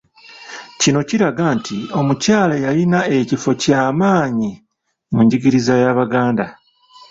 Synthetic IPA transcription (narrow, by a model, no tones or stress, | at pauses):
cino̞ciɾaɡantʰio̞mucaːlajalinae̞cifo̞caːmaːɲi | muɲɟiɡiɾizajaβaɡaːnda